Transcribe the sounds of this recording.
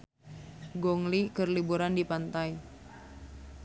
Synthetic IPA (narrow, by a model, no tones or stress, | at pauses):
ɡɔŋlikərlibuɾandipant̪ai